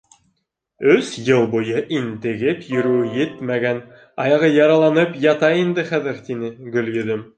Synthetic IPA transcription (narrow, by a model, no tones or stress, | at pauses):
ɵsjɤlˠbujɤʔint̪ɘ̆ɡɘpjɵ̆ɾʉɘjɘt̪mæɡæn | ɑjɑʁɤjɑɾɑlˠɑnɤpjɑt̪ɑind̪ɘχæðɘɾt̪inɘɡɵ̆ljɵ̆ðɵm